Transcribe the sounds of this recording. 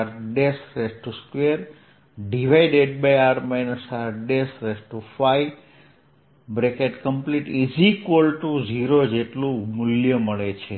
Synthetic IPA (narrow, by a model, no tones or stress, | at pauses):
ɾɖesɾesʈuskʋeɾ | ɖiʋaiɖeɖbajaɾmanəsaɾɖesɾesʈufaj | bɾekeʈkəmpliʈid͡ʒikʋolʈud͡ʒiɾod͡ʒeʈlũmʊljəməɭet͡ʃʰe